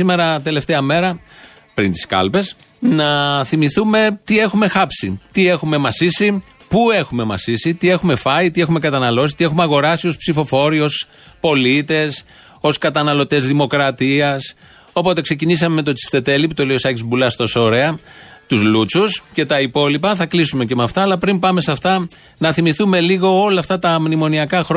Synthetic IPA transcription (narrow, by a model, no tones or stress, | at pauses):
sime̞ɾɐt̪e̞le̞ft̪eɐme̞ɾɐ | pɾint̪i̥skɐ̰lpe̞s | nɐθimiθume̞t̪ie̞xume̞xɐpsit̪ie̞xume̞mɐsisi | pue̞xume̞mɐ̰sisit̪ie̞xume̞fɐit̪ie̞xume̞kɐt̪ɐnɐlo̞si̥t̪ixumeɐɣo̞ɾɐsio̞spsifo̞fo̞ɾio̞s | po̞lit̪e̞s | o̞skɐt̪ɐnɐlo̞t̪e̞zðimo̞kɾɐt̪iɐs | o̞po̞t̪e̞kse̞cinisɐmeme̞t̪o̞t͡si̥ft̪e̞t̪e̞lipt̪o̞leosɐcizbulɐst̪o̞so̞ɾeɐt̪uzlut͡susce̞t̪ɐipo̞lipɐθɐklisume̞ce̞mɐft̪ɐːlɐpɾimpɐme̞sɐft̪ɐ | nɐθimiθume̞liɣo̞o̞lɐft̪ɐt̪ɐmnimo̞niɐkɐxɾ